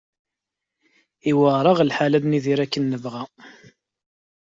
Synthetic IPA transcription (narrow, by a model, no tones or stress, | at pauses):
iwəʁɾˤɑʁlħalæd̪niðiɾækːənːəvʁæ